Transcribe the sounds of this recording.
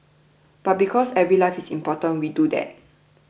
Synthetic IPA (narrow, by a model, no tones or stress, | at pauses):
b̥at̚bikʰɔsɛvɹilaɪfisĩmpɔtə̃nwidudɛ̰t̚